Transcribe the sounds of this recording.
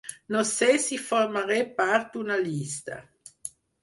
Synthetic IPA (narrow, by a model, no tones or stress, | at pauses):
nosɛsiformaɾɛpːart̪unalist̪a̰